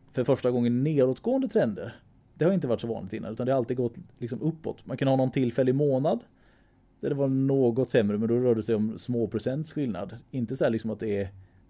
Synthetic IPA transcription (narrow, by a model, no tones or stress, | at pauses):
fœɾfœʂʈaɡɔŋːənːeːd̪oːt̪ɡoːənd̪ət̪ʰɾɛnd̪ə̰ɾ | d̪ɛhaɾɪnt̪əvaʈːʂɔvɑ̰ːnlɪt̪ɪnːa̰ʉ̟t̪and̪haalt̪iːɡ̪ɡɔt̪ːlɪks̬ɔmɵpːɔ̰t̪mankɵnəhɑːnɔnt̪ʰɪlfɛlːəɪmoːnad̪ | d̪̥æɖɛvaɳoːɡɔt̪sɛmːɾəmɛnd̪ɔɾœːɖɛsɛjɔmsmoːpʰɾʊsɛnt̪sɧɪlna̰d̪ɪnt̪əsɔhæːɭɪksɔmat̪̚d̪ɛːɾ